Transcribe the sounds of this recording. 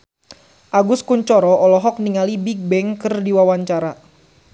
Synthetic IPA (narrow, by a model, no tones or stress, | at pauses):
ʔaɡuskuɲt͡ʃɔɾɔʔɔlɔɦɔk̚niŋalibiɡ̚bɛŋkɨrdiwawaɲt͡ʃaɾa